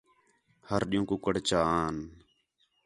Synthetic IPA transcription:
həɾɗɪjũːkʊkəɽ̤t͡ʃaːaːn

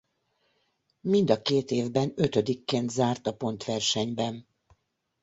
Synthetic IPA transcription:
mind̪ɒkeːt̪eːvbɛnø̞t̪ød̪ikːeːnt̪zaːrt̪ɒpo̞nt̪ʋɛrʃɛɲbɛn

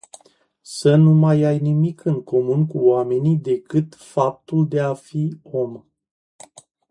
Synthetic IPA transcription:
sənumajajnimikʰɨŋko̞munkuoame̞nid̪e̞kɨt̪fap̚t̪uld̪e̞afio̞m

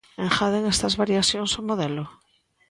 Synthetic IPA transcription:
ẽŋxaðeŋest̪azβaɾjaθjonsomoðelo

